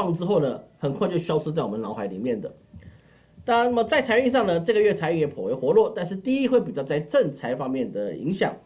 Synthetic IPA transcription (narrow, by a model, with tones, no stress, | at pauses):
ŋʈ͡ʂɻ̩˥xo˥˩ʊnə˩xə˨˩nkʰwa˥ɪt͡ɕjo˥˩ʊɕjɑ˥ʊʂ̩ʰ˥t͡sa˥˩ɪwə˦nlɑ˧˥ʊxa˧˥ɪli˨˩mjɛ˥˩nd̪ə˩ | na˥˧na˥mə˩t͡sa˥˩ɪt͡sʰa˧˥ɪy˥˧ʂ̬ɑ˥˩ŋnə˩ʈ͡ʂɤ˥˩ɡə˧ɥɛ˥˩t͡sʰa˧˥y˥˩ŋjɛ˨˥pʰɔ˨˩we˧˥ɪxwɔ˧˥lwɔ˥˩t̪a˥˧nʂɻ̩˥˧t̪i˥˩i˥xwe˥˩ɪpi˨˩t͡ɕjɑ˥˧ʊt͡sa˥˧ɪʈ͡ʂə˥˩nt͡sʰa˧˥ɪfɑ˥ŋmjɛ˥˩nd̪ə˩ḭ˧˥ŋɕjɑ̰˨˩˦ŋ